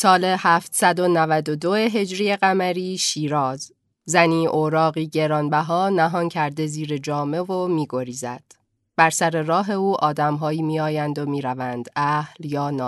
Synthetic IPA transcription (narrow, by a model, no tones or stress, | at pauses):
sɒːle̞hæːft̪sæd̪o̞nævæd̪o̞d̪o̞e̞ɦe̞d͡ʒɾije̞ɣæmæɾiːʃiːɾɒːz | zæniːʔoɾɒːɣiːɟe̞ɾɒːnbæɦɒːnæɦɒːncʰæɾd̪e̞ziːɾe̞d͡ʒɒːme̞vo̞miːɡo̞ɾiːzæd̪̥ | b̥æɾsæɾe̞ɾɒːɦe̞uːʔɒːd̪æmɦɒːjiːmiːɒːjænd̪omiːɾævænd̪æhljɒːnɒː